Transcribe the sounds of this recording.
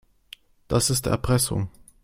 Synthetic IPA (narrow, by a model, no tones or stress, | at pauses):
d̥asɪstɛ̰ɐpʁ̥ɛsʊ̰ŋ